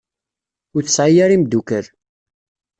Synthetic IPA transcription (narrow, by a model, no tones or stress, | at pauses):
ʊθəsʕijaɾimd̪ukəɾ